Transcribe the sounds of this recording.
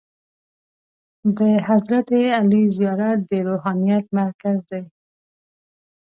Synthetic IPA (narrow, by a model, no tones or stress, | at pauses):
d̪əhazɾat̪ealizijɑɾat̪̚d̪əɾoɦɑnijat̪̚maɾkazd̪ej